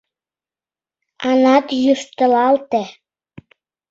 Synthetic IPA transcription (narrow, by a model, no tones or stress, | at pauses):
ɑnɑt̪jyʃt̪əlɑlt̪e